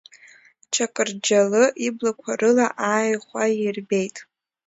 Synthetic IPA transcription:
t͡ʃʰakʼɨrd͡ʒalɨʔiblakʷʰarɨlaʔaːjχʷairbejtʼ

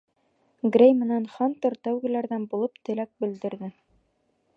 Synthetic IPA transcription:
ɡrʲejmɘ̆nænχɑnt̪ɤɾt̪æwɡɘ̆læɾðænbulˠɤpt̪ɘ̆læk̚bɘ̆ld̪ɘ̆ɾðɘ

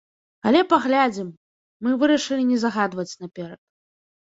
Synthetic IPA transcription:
alʲɛpaɣlʲad͡zʲimː | ɨvɨɾɐʂɨlʲinʲɛzɐɣad̪vɐt͡sʲnɐpʲɛɾɐt̪̚

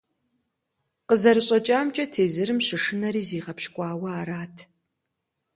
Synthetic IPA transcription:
qəzɐɾɨɕʼɐt͡ʃʼaːmt͡ʃʼɐtʰeːzɨɾɨmɕɪʂɨnɐɾiːziːʁɐpʃkʷʼɑːwɐaːɾaːtʰ

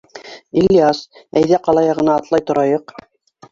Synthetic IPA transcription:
ilʲːiasæjðæqɑlˠɑjɑʁɤ̆nɑːt̪lˠɑjt̪ŏɾɑjɤq

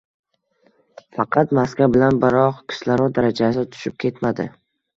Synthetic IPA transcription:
fɑqʰɑt̪maskʲabɪlanbɪɾɒqkʲʰɪ̥ʃlaɾɒd̪aɾad͡ʒasɪt̪ʰʊ̥ʃɪp̚kʲʰe̞t̪mad̪ɪ̰

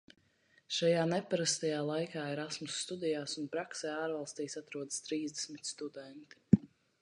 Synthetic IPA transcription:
ʃajaːnɛpaɾast̪ajaːlˠajkaːiɾasmusːt̪ud̪ijaːsunpɾaksɛːaːɾvalˠst̪iːsat̪ɾuɔd̪ə̥st̪ɾiːzd̪ɛsmit̪st̪ud̪ɛnt̪i̥

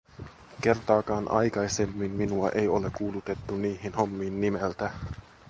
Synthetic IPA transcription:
ke̞rt̪ɑːkɑːnʔɑ̰jkɑjse̞mːinminuɑʔe̞jo̞le̞kuːlut̪e̞t̪ːuniːhinho̞mːiːnːimelt̪æ

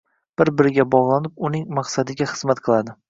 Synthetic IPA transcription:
b̥ɪɾbɪɾɪɡʲabɒʁlˠanɪp̚ʊnɪŋmaqsad̪ɪɡʲaχɨzmat̪qʰɨlˠad̪ɪ

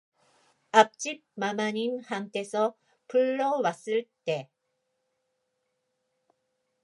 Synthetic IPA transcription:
ap̚t͡ɕ͈ip̚mamaɲinhaŋt̪e̞sʰʌ | pʰɯɭːʌwas͈ɯɭt̪e̞

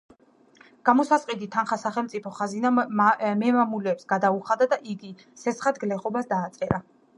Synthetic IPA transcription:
ɡ̥amɔsasqʼid̪it̪ʰanχasaχɛlmt̪sʼipʰɔχazinamɛmamulɛːpsɡad̪auχad̪ad̪aʔiɡi | sɛsχat̪ɡlɛχɔbasd̪aːt̪sʼɛɾa

